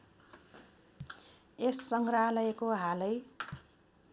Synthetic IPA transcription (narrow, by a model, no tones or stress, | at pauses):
esːʌŋɡralʌjekoɦalʌj